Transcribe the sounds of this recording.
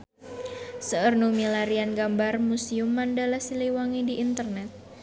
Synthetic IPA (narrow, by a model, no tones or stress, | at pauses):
səərnumilaɾianɡambarmusiumːandalahsiliwaŋediʔint̪ərnɛt̪̚